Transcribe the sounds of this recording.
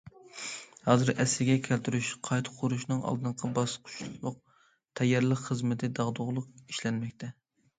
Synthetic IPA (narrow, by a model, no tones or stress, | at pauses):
hɑːzɨɾɛslɪɡʲɛkʲʰælt̪ʰyɾyʃqʰɑjt̪ʰə̥qʰːʊɾuʃnɨŋɑ̰lˠd̪ɨɴqʰɑbɑsqʰʊ̥ʃlˠʊq̚ | t̪ʰɛjːɑɾlˠəqχəzmɪt̪ʰɪd̪ɑʁd̪ʊʁlˠʊq̚i̥ʃlɛnmɛkʲt̪ʰɛ